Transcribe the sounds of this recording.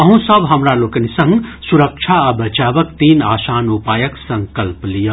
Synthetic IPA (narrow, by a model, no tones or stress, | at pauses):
ɐɦũsəbɦɐmɾaloːkənisɐ̃ŋɡsuɾəkt͡ʃʰaɐbɐt͡ʃaːʋəkt̪iːnaːsaːnupaːjəksɐ̃ŋkəlplijə